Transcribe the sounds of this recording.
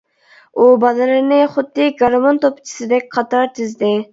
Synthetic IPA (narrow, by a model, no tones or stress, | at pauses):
ubɑd̪ɨlɨɾnɪχʊd̪ːɨɡɑɾmont̪opt͡ʃʰi̥sɨd̪ɛk̚ʲqʰɑt̪ɑɾt̪ʰɪzd̪ɪ